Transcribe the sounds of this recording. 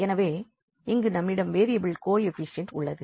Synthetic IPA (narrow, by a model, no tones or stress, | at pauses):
ɛnɐʋeː | ɪŋɡɯnɐmːɪɽɐmʋeːɾɪjɐbɪɭkoːjɛfɪsɪjɐnʈʊ̰ɭːɐðɯ